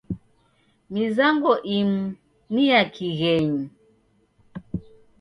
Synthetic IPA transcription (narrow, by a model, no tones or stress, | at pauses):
mizaŋɡɔʔim̩ | nijakʰiɣɛɲi